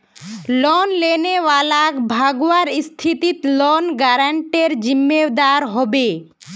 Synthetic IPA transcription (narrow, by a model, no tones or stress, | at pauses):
lɔnlenewalakbʱaɡwaɾst̪ʰit̪it̪lɔnɡaɾaɳʈeɾd͡ʑimːed̪aɾɦɔbe